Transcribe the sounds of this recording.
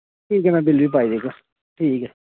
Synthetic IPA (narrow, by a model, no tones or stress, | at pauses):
ʈʰiːkɛnabɪlbip̬aːid̪eka | ʈʰiːkɛ